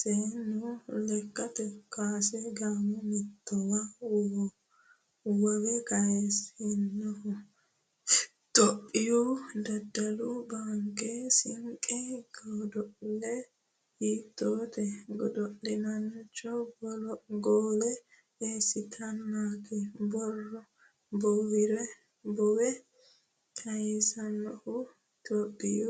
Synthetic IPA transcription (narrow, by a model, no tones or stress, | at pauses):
seːnʊlɛkːɐt̪ɛkaːsɛɡaːmɔmɛt̪ːɔwa | wɐwɛkɐjɛshɪnːɔ | t̪ɔpʼːɪjɔd̪ɐd̪ːɐlʊbaŋkɛsɪŋkʼːɛɡɔd̪ɔʔlɛ | hiːt̪ːoːt̪ɛɡɔd̪ɔʔɪnɐnt͡ʃːɔbɔlɔɡoːlɛ | eːsːɪt̪ʰɐnːakɛbɔrːɔ | bɔwɪɾɛ | bɔwɛ | kʰɐjɛsɐnːɔhʊ | t̪ɔpʼːɪju